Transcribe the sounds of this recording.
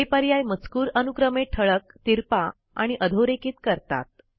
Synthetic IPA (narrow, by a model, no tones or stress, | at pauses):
epəɾjajmət͡skuːɾənukɾəmeʈʰəɭək̚t̪iɾpa | a̰ɽ̃iʔəd̪ʱoɾekiːt̪kəɾt̪a̰t̪̚